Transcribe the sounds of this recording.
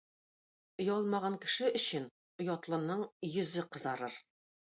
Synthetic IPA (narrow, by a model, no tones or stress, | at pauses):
ŏjɑlˠmɑʁɑŋkɘ̆ʃɘɵ̆ɕɘn | ŏjɑt̪lˠɤ̆nɤɴjɵ̆zɘqɤ̆zɑɾɤɾ